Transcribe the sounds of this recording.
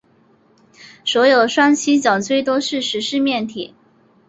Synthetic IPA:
swɔ˧˥jo˨˩ʊd̪ə˦ʂwa˥nt͡ɕʰi˥t͡ɕjɑ˨˩ŋt͡swe˥˩ɪt̪̬wɔ˥ʂɻ̩˥˩ʂɻ̩˧˥ʂɻ̩˥˧mjɛ˥˩nt̪ʰḭ˨˩˦

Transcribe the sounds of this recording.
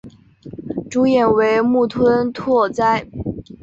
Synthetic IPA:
ʈ͡ʂu˧˥jɛ˨˩nwe˧˥ɪmu˥˩t̪ʰwə˥nt̪ʰwɔ˥˧t͡sa˥˩ɪ

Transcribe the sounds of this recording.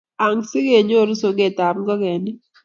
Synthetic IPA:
a˨ŋsɪ˦ɡe˨ɲo˦ɾso˨ɡe˦˨t̪a˨mɡɔ˦ɡɛ˨nɪ˦

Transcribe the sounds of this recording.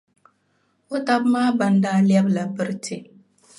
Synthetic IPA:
o˦ta˦bmaː˦ba˨ndaː˦li˦ɛ˦bla˨bɨ˦ɾɨ˦tʰɪ˦

